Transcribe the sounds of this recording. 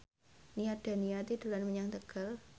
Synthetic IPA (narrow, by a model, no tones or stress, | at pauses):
nijad̪̥a̤nijat̪idṳlanməɲaŋt̪əɡ̥al